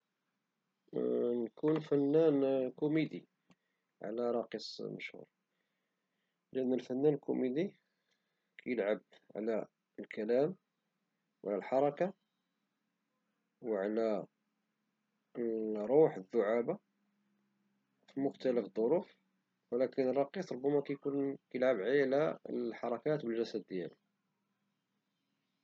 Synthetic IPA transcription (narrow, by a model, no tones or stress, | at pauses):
nkunfənːænkʊmid̪i | ʕ̰læɾˤɑqisˤmə̰ʃhṵɾˤ | ləʔənːəlfənːænlkṵmid̪i | kʰæjəlʕəbʕlæ | əlkʰælæm | wʕlælħɑɾˤɑka | wʕlæ | ɾˤuħəðːʊʕaba | fimʊxt̪æləfd̪ˤːoɾuf | wəlækənrˤːɑqisˤɾˤobːæmækæjkunkæjəlʕabʕlæəħɑɾˤɑkæt̪bəlʒæsæd̪ːjæ̰l